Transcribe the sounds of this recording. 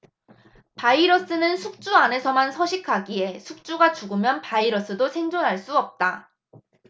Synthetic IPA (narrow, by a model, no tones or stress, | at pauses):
paiɾʌs͈ɯnɯnsʰuk̚t͡ɕ͈uane̞sʰʌmansʰʌɕʰikʰaɡie̞sʰuk̚t͡ɕ͈uɡat͡ɕuɡɯmjʌnpaiɾʌs͈ɯdosʰe̞ŋd͡ʑonɦaɭs͈uʌp̚t͈a